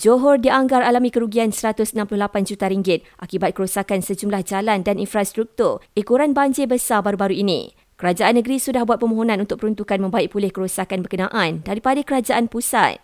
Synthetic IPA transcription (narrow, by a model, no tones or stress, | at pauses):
d͡ʒoɦɔrdiaŋɡaɾalamĩkəɾuɡiansəɾat̪ʊsənãmplʊhlapand͡ʒut̪aɾiŋɡɪt̪̚ʔakibat̪̚kəɾusakansəd͡ʒumlahd͡ʒalandaninfɾast̪ɾuk̚t̪ʊrikuɾanbaɲd͡ʒebəsabaɾubaɾuinḭ̃ | kəɾad͡ʒaʔanːə̃ɡəɾisudahbuat̪̚pəmõɦonãnunt̪ʊk̚pəɾunt̪ukanmə̃mbaiʔpulɪhkəɾusakanbərkənãʔãndaɾipadakəɾad͡ʒaʔanpusa̰t̪̚